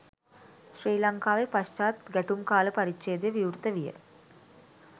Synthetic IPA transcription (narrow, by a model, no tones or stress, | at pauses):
ʃriːlɐŋkaːʋepɐst͡ʃaːt̪ɡæʈumkaːləpɐɾit͡ʃt͡ʃeːd̪ejʋiuɾt̪əʋijə̰